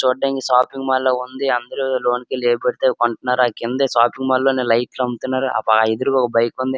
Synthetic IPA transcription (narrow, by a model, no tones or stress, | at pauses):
t͡ʃuːɖːɐŋkisaːpiŋɡmaːlloːund̪iɐnd̪ɐɾulo̞ːnkeːleːbɐɽit̪eːkoɳʈunːaːɾakind̪esaːpiŋɡmaːlloːneːlɐjʈlɐmut̪unːaːɾuʔɐ̰paid̪ɐɾuɔkɐbɐjkund̪i